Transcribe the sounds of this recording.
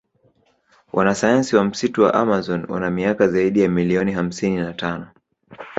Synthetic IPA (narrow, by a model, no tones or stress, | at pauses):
wʔanasajansiwam̩situwa̰ʔamazɔnwa̰namiakazaiɗijamiliɔniɦam̩sininatanɔ